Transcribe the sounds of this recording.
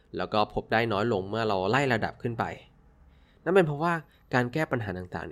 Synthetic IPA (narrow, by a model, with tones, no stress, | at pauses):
lɛ̰ː˦˥wkɔː˥˩pʰo˦˥p̚daː˥˩jnɔː˦˥jlo˧ŋmɯ˥˩ɐɾa˧wla˥˩jɾa˧da̰˨˩p̚kʰɯ˥˩npa̰˧j | na˦˥˩pe˧npʰɾɔ˦˥waː˥˩ | kaː˧nkɛː˥˩pa˧nɦaː˩˦t̪aː˨˩ŋt̪a̰ː˨˩ŋn